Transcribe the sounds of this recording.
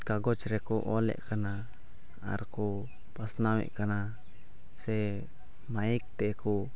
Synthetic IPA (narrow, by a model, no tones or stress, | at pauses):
kaɡot͡ʃɾekuʔolḛʔkana̰ː | ɾku | pasnawḛʔkana | se | maik̚t̪eku